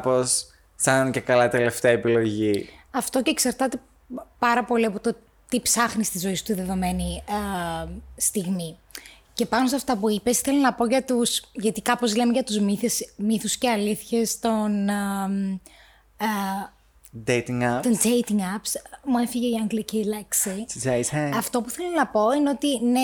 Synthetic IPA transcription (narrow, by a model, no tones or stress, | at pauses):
pos | sɐnce̞kɐlɐt̪ele̞ft̪eɐepilo̞ʝiɐft̪o̞ce̞ːksɐɾt̪ɐt̪e̞ | pɐɾɐpo̞liɐpo̞t̪o̞ | t̪ipsɐxnist̪izoist̪uiðe̞ðo̞me̞ni | st̪iɣmi | ce̞pɐnosɐft̪ɐpuipe̞si̥θe̞lonɐpo̞ʝɐt̪usʝɐt̪ikɐpo̞zle̞meʝɐt̪uzmiθesmiθusceɐliθçest̪o̞n | d̪et̪iŋt̪ondejt̪iŋɡɐpsmuefiʝe̞iɐŋɡlicelɐksi | ɐft̪o̞puθe̞lonɐpo̞ineo̞t̪ine